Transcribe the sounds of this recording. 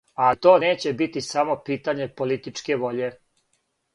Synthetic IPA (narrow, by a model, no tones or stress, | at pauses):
at̪o̞ːne̞ːt͡ɕe̞bit̪isamo̞piːt̪aɲe̞po̞lit̪it͡ʂke̞ʋo̞ʎe